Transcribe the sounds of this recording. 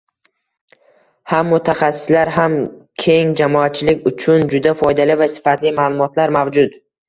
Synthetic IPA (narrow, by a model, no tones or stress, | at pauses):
hamːʊt̪ʰaχasːɪ̥slaɾɦamkʲʰe̞ŋd͡ʒamɒat̪̚t͡ʃʰɪlɪkʲʊt͡ʃʰʊnd͡ʒʊd̪afɒjd̪alɪvasɪ̥fat̪lɪmaːlˠʊmɒt̪laɾmavd͡ʒʊd̪